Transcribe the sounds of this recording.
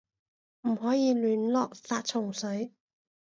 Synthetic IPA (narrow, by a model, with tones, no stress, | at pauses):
m̩˨˩hɔː˨˥jiː˨˧lyː˨˥nlɔː˨k̚saː˧t̚t͡ʃʰʊ˨˩ŋsɵ˨˥ɥ